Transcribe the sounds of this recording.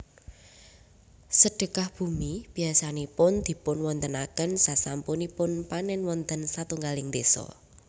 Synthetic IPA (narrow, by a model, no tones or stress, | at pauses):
səɖ̥ə̤kahb̥umib̥i̤asanepʊnd̪̥i̤pʊnwɔnt̪ənakənsasampunipʊnpanɛnwɔnt̪ənsat̪uŋɡalɪŋd̪esɔ̰